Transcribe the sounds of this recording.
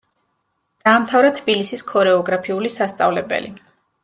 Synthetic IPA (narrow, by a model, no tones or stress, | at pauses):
d̪̥aːmt̪ʰavɾat̪ʰbilisiskʰɔɾɛɔɡɾapʰiulisast̪sʼa̰vlɛbɛ̰lḭ